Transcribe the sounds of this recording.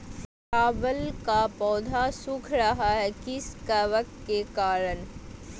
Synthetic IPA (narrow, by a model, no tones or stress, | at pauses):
aːbəlkapɔːd̪ʱasʊkʰɾɐɦaɦɛkɪskɐʋəkkekaːɾən